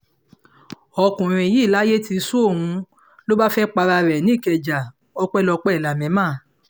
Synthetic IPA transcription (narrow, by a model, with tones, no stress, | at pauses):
ɔ˧kũ˨ɾ̃ĩ˧˨ji˦˨la˦je˦ti˧su˦o˦˨ũ˧ | lo˦ba˦fɛ˦k͡pa˧ɾa˧ɾɛ˨nĩ˨˦˨kɛ˨d͡ʒa˨ | ɔ˧k͡pɛ˦lɔ˧k͡pɛ˦˨la˨mɛ̃˨˦mãː˦˨